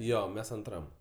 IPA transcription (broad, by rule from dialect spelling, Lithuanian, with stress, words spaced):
ˈjoː ˈmʲɛs ɐnˈtrɐm